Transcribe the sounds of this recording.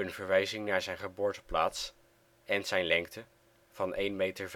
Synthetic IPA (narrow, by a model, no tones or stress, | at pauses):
ɵnvəɹʋɛjzɪŋnaːɹzɛjnχəbʊːɹtəpla̰ːts | ɛnz̥ɛjnlɛŋk̚tə | v̥ɑnejnmejtəɹv